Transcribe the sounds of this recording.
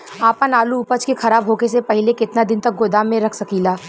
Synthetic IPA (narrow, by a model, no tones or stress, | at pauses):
aːpənaːluʊpət͡ʃkexʰɐɾaːbɦoːkes̬epɐɦɪlekɪt̪nad̪ɪnt̪ɐk̚ɡoːd̪aːmːẽɾɐkʰsɐkilaː